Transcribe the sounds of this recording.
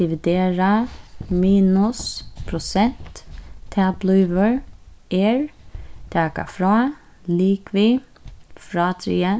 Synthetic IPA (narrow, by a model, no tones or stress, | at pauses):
ɪʋɪd̪eːɾɑmiːnʊspʰɾʊsɛnt̪ʰːɛːblʉːʋəɹeːɹt̪ʰæːkɑ̰fɾɑː | liːkʋiː | fɾɑːt̪ʰɾḭːə